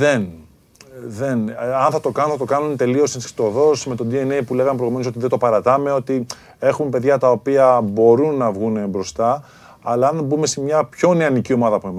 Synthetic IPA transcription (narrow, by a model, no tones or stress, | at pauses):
ðen | ðenɐnθɐt̪o̞kɐnũθɐt̪o̞kɐnunt̪e̞lio̞sensi̥t̪o̞ðo̞sme̞t̪od̪ienejpule̞ɣɐmepɾoɣumensot̪iðed̪o̞pɐɾɐt̪ɐme̞o̞t̪i | e̞xumpe̞ðʝɐt̪ɐo̞piɐbo̞ɾunːɐvɣunebɾo̞st̪ɐː | lɐɐnbume̞semɲɐpço̞ne̞ɐnicio̞mɐðɐpunem